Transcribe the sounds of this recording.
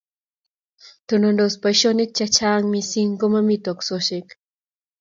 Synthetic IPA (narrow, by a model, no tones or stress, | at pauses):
t̪onondospajʃonit͡ʃat͡ʃaːŋmisiŋkomamit̪oksoʃek